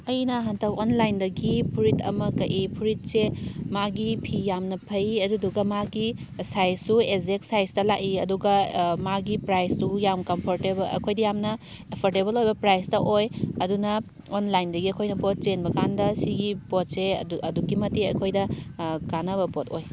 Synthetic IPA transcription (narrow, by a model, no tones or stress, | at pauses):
ɐjnɐɦantawonlajndɐɡipʰuɾitʰɐ̰mɐkɐʔipʰuɾit̚semaɡipʰijamnɐpʰɐjɐduduɡɐmaɡi | sajsːuezeksajstɐlakiɐduɡɐmaɡipɾajstujamkɐmpʰoɾtebɐɐ̰kʰojdɐjamnɐ | epʰoɾtebɐlojbɐpɾajsdɐʔojɐdunɐ | onlajndɐɡiɐkʰojnɐpot̚t͡ʃenbɐkʰandɐsiɡipot̚sḛɐdukimɐtːiɐ̰kʰojdɐkanɐβɐpotoj